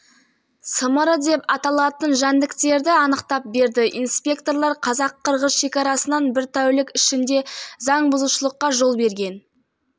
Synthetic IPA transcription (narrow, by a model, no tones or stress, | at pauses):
səməɾəd̪e̞pɑt̪ɑlˠɑt̪ənʒænd̪ɪkt̪e̞ɾd̪ɪɑnəqt̪ɑp̚be̞ɾd̪ɪʔḭnspʲe̞kt̪o̞rlˠɑɾqʰɑzɑqʰːəɾʁəzʃe̞kʲɑɾɑsənɑnbɪɾt̪ʰæwlɪkɪʃɪnd̪e̞zɑɴbʊzuʃəlˠəqːɑʒo̞lˠbe̞ɾɡʲe̞n